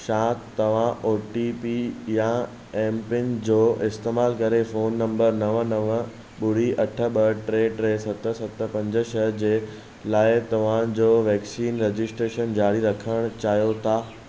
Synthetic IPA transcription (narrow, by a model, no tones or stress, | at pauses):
ʃãːt̪t̪ːɐʋ̤ãʔoːʈipijã | ɛ̃ːmpɪnd͡ʑoːɪst̪eːmaːlkɐɾefoːnːɐ̃mbəɾnɐʋənɐʋə | ɓʊɽiʔɐʈʰə̆ɓəʈɾeːɖʈɾeːsɐt̪ə̆sɐt̪ə̆pɐ̃ɲd͡ʑəʃəd͡ʑeː | laːɪt̪ɐʋ̤ãd͡ʑoːʋɛːksiːnɾed͡ʑɪsʈɾeːʃənd͡ʑaːɽiɾɐkʰəɽ̃t͡ɕaːɦijot̪ʰaː